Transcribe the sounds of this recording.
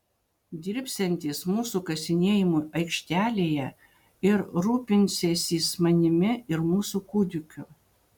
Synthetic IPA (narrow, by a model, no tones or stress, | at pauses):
d̪ʲɪɾʲpʲsʲɛnʲt̪ʲiːsmuːsuːkɐsʲɪnʲeːjɪmuʔɐɪkʃʲt̪ʲæːlʲeːjɛ | ɪɾɾuːpʲɪnʲsʲeːsʲiːsmɐnʲɪmʲɪɪɾmuːsuːkuːd̪ʲʊkʲʊ